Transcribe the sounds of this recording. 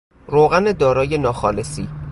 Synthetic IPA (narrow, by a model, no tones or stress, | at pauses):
ɾoːɣæned̪ɒːɾɒːjenɒːxɒːlesiː